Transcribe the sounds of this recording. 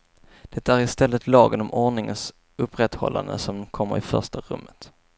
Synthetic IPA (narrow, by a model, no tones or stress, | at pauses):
d̪̥ɛt̪ːaæɾɪst̪ɛlːət̪lɑːɡənɔmʔɔɳɪŋəns | ɵpːɾɛt̪hɔ̰lːa̰nd̪əsɔmkʰɔmːəɾɪfœʂtʈaɾɵmːət̪